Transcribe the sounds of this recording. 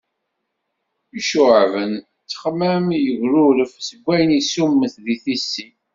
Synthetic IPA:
iʃʊʕvən | t͡sːə̥χmæmjəɣɾuɾəfsəɡʷːæjnisumːəθðiθisːi

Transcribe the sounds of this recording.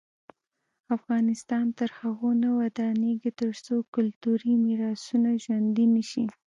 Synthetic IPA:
afɣɑnɪst̪ɑnt̪əɾhaɣonawad̪ɑneɡet̪əɾt͡sokʊlt̪uɾimiɾɑsunaʒwand̪inəʃi

